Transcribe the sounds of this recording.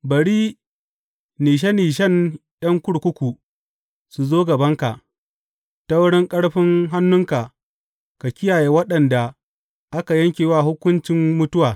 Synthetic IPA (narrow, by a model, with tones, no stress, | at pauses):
bɐ˨ɽiː˦ | niː˨ʃ̬ɛ˦niː˨ʃ̬ɛ˦nɗɐ˦ŋkʷʊ˦ɽkʷʊ˦kʷu˨ | su˨zoː˦ɡɐ˨bɐ˦ŋka˨ʔ | ta˦wʊ˦ɽɪ˦ŋkʼɐ˦ɽɸɪ˦ŋɦa˦nːʊ˦ŋka˨ | ka˨kʲɪ˦jaː˨je˨wɐ˦ɗɐ˨nda˨ | ʔa˦ka˨jɐ˦ŋkʲeː˨waː˦ɦʊ˦kʷʊ˦nt͡ʃɪ˦mmʊ˦tʊ˦waː˨